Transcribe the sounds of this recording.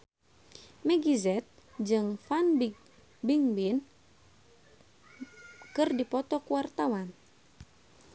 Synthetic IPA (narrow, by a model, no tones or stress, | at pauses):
mɛɡizɛt̪̚d͡ʒɨŋfanbi | biŋbin | kɨrdipɔt̪ɔkuwart̪awan